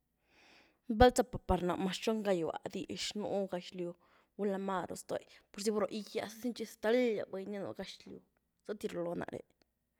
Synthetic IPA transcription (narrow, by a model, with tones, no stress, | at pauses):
ba˦lt͡sa˧pa˨pa˨ɾna˨ʔma˧ʃt͡ʃo˦ŋɡa˧jwa̰˨d̪i˧˨ʃnṵ˧ɡa˧ʃlju˧ | ɡu˧la˧ma˧ɾo̰˨st̪o̰˨jpo˧ɾsi˧bo˧ɾo˧ʔi˧ja˧sa˦si˦nt͡ʃi˧st̪a˧˦li˦ja̰˨ba˧jni˦no̰˧ɡa˧ʃlju˧ | z̥a˦t̪i˧ɾo˧˨lo˧na̰˨ʔɾḛ˨